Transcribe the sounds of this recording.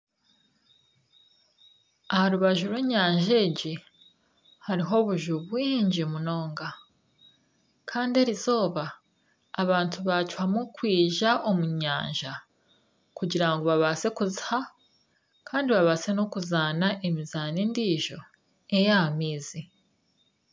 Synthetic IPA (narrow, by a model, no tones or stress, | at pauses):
ahaɾuβaʒuɾweɲaːɲʒe̞ɟi | haɾiɦo̞βuʒuβwiːɲɟimuno̞ːŋɡa | kʰaːndie̞ɾizo̞ːβaː | βaːntʰuβat͡ʃwamukwiːʒaʔo̞muɲaːɲʒa | kuɟiɾaŋɡo̞βaβase̞kuzi̥ha | kʰaːndiβaβase̞no̞kuzaːnaʔemizaːniːndiːʒo̞ | ejamiːzi